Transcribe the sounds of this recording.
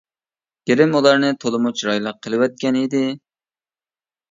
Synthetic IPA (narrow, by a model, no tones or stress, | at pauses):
ɡ̥ʲeɾɪmulˠɑɾnɨt̪ʰolˠɨmut͡ʃɾɑjlˠəqʰːəlˠɨwɛt̪̚kʲɛnid̪ɪ